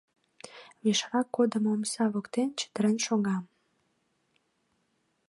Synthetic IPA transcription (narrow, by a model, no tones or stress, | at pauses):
meʃɾɑkːod̪ə̆momsɑβokt̪ent͡ɕə̥t̪əɾənʃoŋɑm